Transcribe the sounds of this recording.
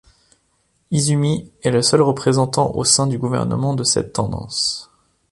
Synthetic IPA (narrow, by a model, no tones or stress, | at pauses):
izymiɛləsœlʁəpχezɑ̃t̪ɑ̃ʔo̰sɛ̃d̪yɡuvɛ̰ʁnə̰mɑ̃d̪əsɛ̰t̪ːɑ̃d̪ɑ̰̃s